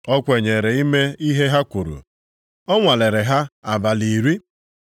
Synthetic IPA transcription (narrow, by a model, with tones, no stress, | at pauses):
ɔ˦kʷe˨ɲe˨ɾe˨i˦me˦i˦ɦe˦ɦa˦kʷu˨ɾṵ˨ | ɔ˦ŋʷa˨le˨ɾe˨ɦa˦a˨ba˨li˨ɾi˦